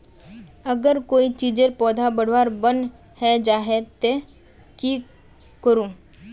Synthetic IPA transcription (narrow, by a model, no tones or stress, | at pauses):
əɡəɾkoit͡ʃid͡ʑeɾpɔd̪ʱabəɽ̤ʋaɾbən | hɛd͡ʒaɦet̪e | ki | kəɾũː